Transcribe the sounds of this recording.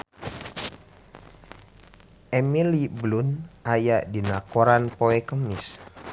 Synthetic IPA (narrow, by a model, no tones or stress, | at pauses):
ʔɛmiliblunajaʔdinakoɾanpoɛkəmɪs